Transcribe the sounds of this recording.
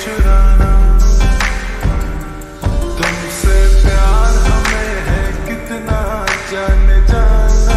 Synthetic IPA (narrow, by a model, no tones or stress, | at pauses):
t͡ʃʊɾaːna | t̪ʊm | sepjaːɾɦɐmẽɦɛ̃kɪt̪nad͡ʒaːned͡ʒaːna